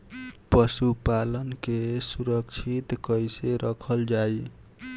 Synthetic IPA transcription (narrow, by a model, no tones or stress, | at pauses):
pəsupalənkesuɾəkt͡ʃʰit̪kəjseɾʔəkʰəld͡ʒaj